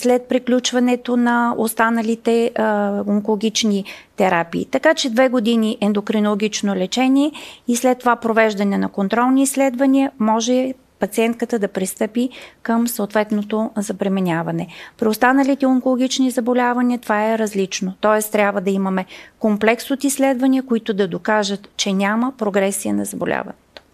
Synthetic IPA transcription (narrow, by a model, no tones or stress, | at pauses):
slɛt̪̚pɾiklʲut͡ʃvɐnɛt̪onɐost̪anəlit̪ɛ | oŋkolˠoɡʲit͡ʃnit̪ɛɾapḭːt̪ɐkat͡ʃɛd̪vɛɡod̪iniʔɛnd̪okɾinolˠoɡʲit͡ʃnolɛt͡ʃɛnʲiɛislɛt̪ːovapɾovɛʒd̪ɐnɛnɐkont̪ɾɔlˠniːslɛd̪vɐniəmɔʒɛ | pɐt̪siɛnt̪̚kət̪əd̪ɐpɾist̪ɤpikəmsoot̪vɛt̪not̪ozɐbɾɛminʲavɐnɛpɾiost̪anəlit̪ɛoŋkolˠoɡʲit͡ʃnizɐbolʲavɐniət̪ovaɛɾɐzlit͡ʃnot̪ɔɛst̪ɾʲabvəd̪ɐiməmɛkomplɛksot̪islɛd̪vɐnʲiəkoit̪ʊd̪ɐd̪okaʒət̪t͡ʃɛnʲaməpɾoɡɾɛsiə̰nɐzɐbo̰lʲʔa̰vɐ̰nɛt̪o̥